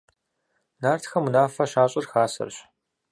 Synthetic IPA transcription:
naːrtʰxɐmunaːfɐɕaːɕʼɪrxaːsɐ̰rɕ

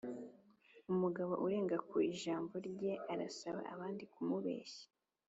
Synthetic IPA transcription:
umuɡaβo̞̰ʔuɾe̞ːŋɡakuiʒaːmboɾɟe̞ʔaɾasaβa̰aβaːndikumuβe̞̰ːçe̥

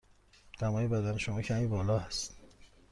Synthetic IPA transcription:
d̪̥æmɒːjebæd̪æneʃomɒːcʰæmiːbɒːlɒːhæst̪

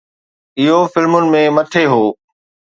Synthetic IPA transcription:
ɪɦofɪlmʊnɪ̆mẽmɐʈʰeɦoː

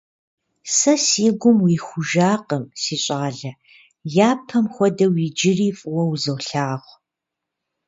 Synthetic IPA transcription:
sɐsiːɡʷʊmwiːxʷʊʒaːqəmsiːɕʷʼaːɮɐ | jaːpʰɐmxʷɔdɐwiːd͡ʒɪriːfʼʊwɐwzɐwɬaːʁʷ

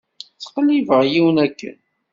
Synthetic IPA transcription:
t͡sːə̥qlːivəʁjiwnækːə̰n

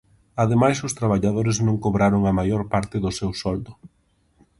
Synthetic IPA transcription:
aðemajsʊst̪ɾaβaʎaðoɾɪznõŋkoβɾaɾʊŋamajoɾpaɾt̪ɪðʊsewsɔld̪ʊ

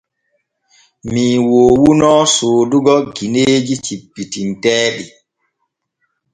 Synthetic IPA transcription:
miːwoːwunɔːsoːduɡɔɡineːd͡ʒit͡ʃipːitintɛːɗi

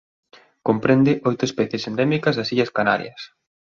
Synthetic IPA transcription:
kompɾend̪ɪʔojt̪ʊespɛθjesend̪ɛmikɐzðɐsiʎɐskana̰ɾj̰ɐs

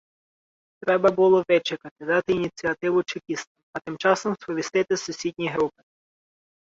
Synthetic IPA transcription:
t̪ɾɛbɐbʊlˠɔʋɪt͡ʃɪkɐt̪ɪd̪ɑt̪ɪinʲit͡sʲiɐt̪ɪʋʊt͡ʃɪpʲist̪ɐɐt̪ɪmt͡ʃɑsɔmspɔʋʲist̪ɪt̪ɪsʊsʲid̪ʲnʲijɦɾupɪ̥

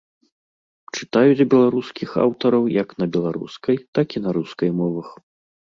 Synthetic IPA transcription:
t͡ʂɨt̪ajud͡zʲbʲɛlˠaɾuskʲixa̰wt̪ɐɾɐwjɐknɐbʲɛlˠaɾṵskɐjt̪akʲinɐɾuskɐjmɔvɐx

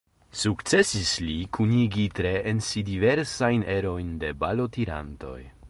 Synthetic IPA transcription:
sukt͡se̞sislikʰuniɡitɾe̞ʔensidive̞ɾsajne̞ɾo̞jnde̞balo̞tiɾa̰nto̞̰j

